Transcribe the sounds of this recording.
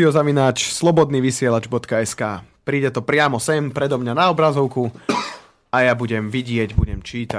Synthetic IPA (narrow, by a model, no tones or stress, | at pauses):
iɔzaʋinaːt͡ʃslˠɔbɔd̪niːʋisɪɛlad͡ʒbɔt̪kaɛskaːpɾiːɟɛt̪ɔpɾɪamɔsɛmpɾɛd̪ɔmɲanaɔbɾazɔʊku | ajabuɟɛmʋiɟɪɛɟbuɟɛmt͡ʃiːt̪a